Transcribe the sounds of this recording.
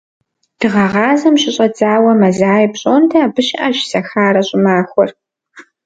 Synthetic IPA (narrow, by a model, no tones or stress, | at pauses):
d̥ɨʁɐʁɑːzɐmɕɪɕʼɐd͡zaːwɐmɐzaːjpɕʼoːntʰɐaːbɨɕɪʔɐʒsɐxaːrɐɕʼɪmaːxʷɔr